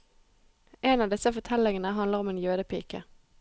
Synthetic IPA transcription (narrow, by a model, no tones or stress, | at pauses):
ʔeːnɑːʋd̪ɪsəfɔt̪ʰɛlɪŋənəɦɑnd̪ləʁɔmeːnjøːd̪əpʰḭːkə̰